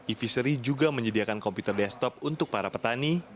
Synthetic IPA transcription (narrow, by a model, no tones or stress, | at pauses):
ifisəɾid͡ʒuɡaməɲədiakankɔmput̪ərdɛst̪ɔp̚unt̪ʊk̚paɾapət̪ani